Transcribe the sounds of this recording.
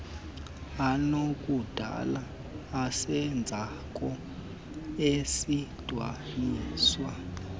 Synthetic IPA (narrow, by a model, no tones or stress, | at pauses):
anokʼud̥ʱa̰laː | sɛnd͡zʱa | kʼɔ | esid̥ʱwa̰niːswa